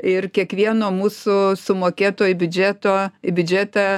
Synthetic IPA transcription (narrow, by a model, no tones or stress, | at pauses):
ɪrkʲiɛkʋʲiɛnoːmuːsʊsʊmoːkʲeːt̪oːjʊbʲʊd͡ʒʲæːt̪oːɪbʲʊd͡ʒʲæːt̪ɐ